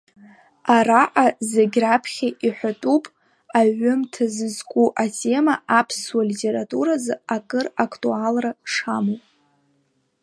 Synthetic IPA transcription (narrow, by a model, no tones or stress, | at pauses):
araʔazeɡʲrapʰχʲaʔiħʷᶣatʼupʼ | aʕʊmtʰazɨzkʷʼuʔatʰe̞maapʰswalitʰʲʼe̞ɾatʼuɾazaakʼɨrakʰtʼualraʂamowpʼ